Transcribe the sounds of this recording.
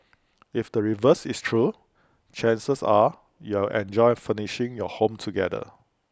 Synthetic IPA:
ifdəɹivəsistʰɹu | t͡ʃɛ̃nsəsa | julʔɛ̰̃nd͡ʒɔɪfəniʃɪ̃ŋjɔhõmtʰuɡɛdə̰

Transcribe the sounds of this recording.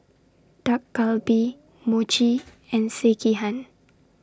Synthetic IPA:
d̥akːalbi | mot͡ʃi | ɛ̃nsekiɦãn

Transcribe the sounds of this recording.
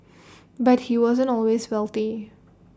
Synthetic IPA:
bat̚hiwɔzə̃ntɔlweswɛlˠt̪i

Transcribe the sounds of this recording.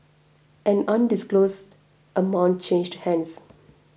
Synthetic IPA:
ʔɛ̃nʌ̃nɖɪskloːsd | ʔəmãʊ̃nʈ̚t͡ʃẽːnd͡ʒɖhɛ̃ns

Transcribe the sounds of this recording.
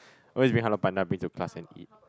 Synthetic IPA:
ʔɔlwesbĩŋɦalɔpãndabĩŋtukʰlasɛ̃nḭt̚

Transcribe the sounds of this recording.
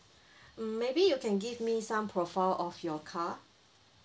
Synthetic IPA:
mebijukʰɛ̃nɡivmisãmpʰɹɔfaɪlɔfjɔkʰa

